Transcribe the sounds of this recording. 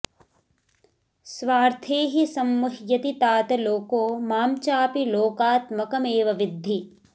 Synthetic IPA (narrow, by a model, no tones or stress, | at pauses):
sʋaːɾt̪ʰeːɦisɐmːuɦjɐt̪it̪aːt̪ɐloːkoːmaːmt͡ʃaːpiloːkaːt̪mɐkɐmeːʋɐʋɪd̪ʱːi